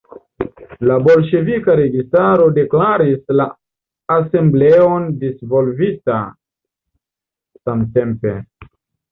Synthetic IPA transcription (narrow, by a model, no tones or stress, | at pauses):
labo̞lʃe̞vikaɾe̞ɡistaɾo̞de̞klaɾislaː | se̞mble̞ondisvo̞lvita̰ | samte̞mpe̞